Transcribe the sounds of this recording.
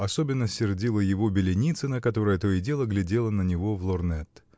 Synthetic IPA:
ɐsobʲɪnːəsʲɪrdʲilˠəjɪvo̞bʲɪlʲɪnʲit̪sɨnəkɐt̪o̞ɾəjət̪ojɪdʲe̞lˠəɡlʲɪdʲelˠənənʲɪvo̞vlˠornɛt̪ː

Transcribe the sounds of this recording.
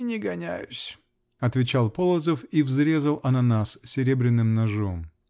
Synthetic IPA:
nʲɪɡɐnʲæ̰jʊsʲ | ɐt̪vʲɪt͡ɕalˠpolˠəzəfivzɾʲe̞zəlˠʔɐnɐnassʲɪɾʲebɾʲɪnːɨmnɐʐom

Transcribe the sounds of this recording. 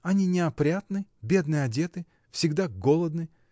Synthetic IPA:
ɐnʲinʲɪɐpɾʲat̪nɨbʲe̞d̪nɨjɐdʲe̞t̪ɨ | fsʲɪɡd̪aɡo̞lˠəd̪nɨ

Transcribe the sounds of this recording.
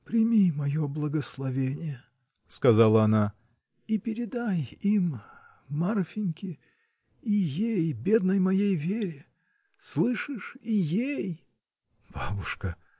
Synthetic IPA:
pɾʲɪmʲimɐjoblˠəɡəslˠɐvʲenʲɪjə | skɐzalˠəɐna | ipʲɪɾʲɪd̪ajimː | arfʲɪnʲkʲɪ | ijejbʲe̞d̪nəjmɐjejvʲeɾʲɪ | slˠɨʂɨʂijej | b̥abʊʂkə

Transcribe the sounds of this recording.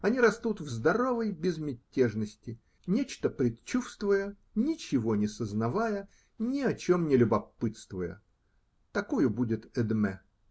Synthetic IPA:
ɐnʲiɾɐst̪ut̪vzd̪ɐɾo̞vəjbʲɪzmʲɪtʲːeʐnəsʲtʲɪ | nʲet͡ɕt̪əpɾʲɪt̪t͡ɕːufst̪vʊjə | nʲɪt͡ɕɪvonʲɪsəznɐvajə | nʲɪɐt͡ɕo̞mnʲɪlʲʊbɐpɨt̪st̪vʊjə̰ | t̪ɐkojʊbudʲɪt̪ɛd̪mɛ

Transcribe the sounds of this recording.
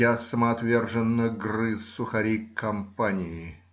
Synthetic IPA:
asəmɐɐt̪vʲe̞rʐɨnːəɡrɨsːʊxɐɾʲikːɐmpanʲɪjɪ

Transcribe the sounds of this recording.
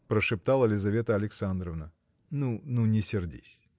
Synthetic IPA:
pɾəʂɨp̚t̪alˠəlʲɪzɐvʲet̪əɐlʲɪksand̪ɾəvnə | nununʲɪsʲɪrdʲḭsʲ

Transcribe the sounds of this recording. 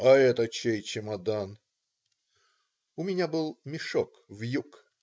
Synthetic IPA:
ɐɛt̪ət͡ɕejt͡ɕɪmɐd̪an | ʊmʲɪnʲabɨlˠmʲɪʂok | vjuk

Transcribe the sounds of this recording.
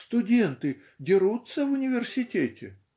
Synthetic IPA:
st̪ʊdʲe̞nt̪ɨ | dʲɪɾut̪səvʊnʲɪvʲɪrsʲɪtʲetʲɪ

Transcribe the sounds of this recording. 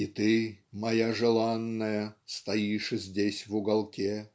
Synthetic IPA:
it̪ɨmɐjaʐɨlˠanːəjəst̪ɐiʂɨzʲdʲesʲvʊɡɐlˠkʲe

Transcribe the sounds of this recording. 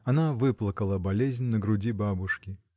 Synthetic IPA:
anavɨplˠəkəlˠɐbɐlʲezʲnʲnəɡɾʊd͡zʲibabʊʂkʲi

